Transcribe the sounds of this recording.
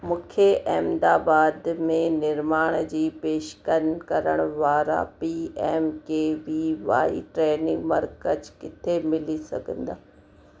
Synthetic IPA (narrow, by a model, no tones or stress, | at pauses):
mũːkʰeʔɛːmd̪aːbaːd̪mẽnɪɾmaːɽ̃d͡ʑiːpeːʃkənkɐɾəɽ̃ʊʋaːɾa̰piːeːmkeːʋiːʋa̰ːḭʈɾeːnɪ̃ŋɡmɐɾkəd͡ʑkɪt̪ʰemɪlisɐ̰ɡʱə̃nd̪aː